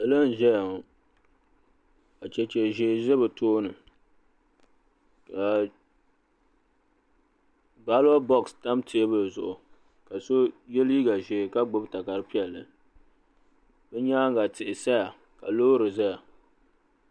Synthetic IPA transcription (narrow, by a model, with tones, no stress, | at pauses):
ɛ˨lɨ˦n̩˨ʒɛ˦ja˨ŋ˨ | ka˨t͡ʃɛ˨t͡ʃɛ˨ʒe˨ʒɛ˦bɨ˨tʰoː˦nɨ˨ | ka˨ | ɡ͡ba˦la˦bɔ˦ksta˦mtɪ˦e˦bɨ˨zʊ̰˨ʔʊ˨ | ka˨so˦jɛ˦li˦ɡa˨ʒeː˨ka˦ɡ͡bo˦bta˨ka˨ɾɨ˦pi˦ɛ˨lːɨ̰˨ | bɛ˦ɲaː˦ŋ˦ɡa˨tɪ˨ʔɪ˨sa˦ja˨ | ka˨loː˦ɾɨ˨za˦ja˨